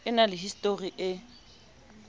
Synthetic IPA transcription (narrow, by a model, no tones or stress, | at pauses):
ɪnalɪɦistʼoriʔɪ